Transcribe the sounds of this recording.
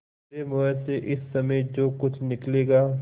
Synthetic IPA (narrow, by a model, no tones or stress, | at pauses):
emʊɛseʔɪsːɐməid͡ʒoːkʊt͡ʃʰnɪkleːɡaː